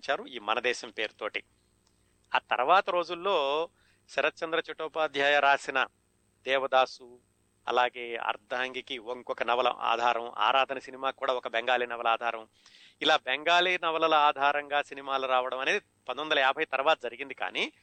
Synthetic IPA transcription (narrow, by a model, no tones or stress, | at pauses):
ɲt͡ʃaːɾuiːmɐnɐd̪ɛːʃɐmpeːɾut̪oːʈi | aːt̪ɐ̰ɾɐʋaːt̪ɐɾo̞ːd͡ʒulːo̞ː | ʃɐɾɐt̪ːt͡ʃɐnd̪ɾɐt͡ʃɐʈːɔːpaːd̪ʱjaːjɐɾaːsinɐ | d̪ɛːʋɐd̪aːsu | ɐ̰laːɡe̞ːɐ̰ɾd̪ʱaːŋɡikioŋkɔkɐnɐʋɐlɐ̰ma̰ːd̪ʱaːɾɐ̰ma̰ːɾaːd̪ʱɐnɐsinimaːkuːɽaːɔkɐbeŋɡaːliːnɐʋɐlɐaːd̪ʱaːɾɐ̃m | ilaːbeŋɡaːliːnɐʋɐlɐlɐaːd̪ʱaːɾɐŋɡaːsinimaːluɾaːʋɐɽɐmɐne̞ːd̪i | pɐnd̪ond̪ɐlɐjaːbʱɐjt̪ɐɾɐʋaːt̪ɐd͡ʒɐɾiɡind̪ika̰ːni